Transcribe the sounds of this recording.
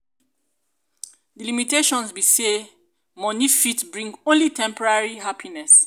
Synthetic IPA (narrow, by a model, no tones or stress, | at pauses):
dilimiteʃɔ̃nsbise | mɔ̃nifitbɹĩŋɡõnlitʰɛ̃mpɔɹaɹiɦapʰinɛs